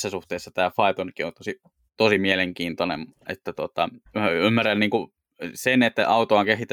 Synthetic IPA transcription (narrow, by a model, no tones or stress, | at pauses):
sːæsuht̪eːsːɑt̪æːfɑit̪onkiont̪osi | t̪osimieleŋkiːnt̪onḛmḛt̪ːæt̪uot̪ɑæymːærænniːŋku | senet̪ːæ̰ʔɑut̪oɑŋkehit̪æ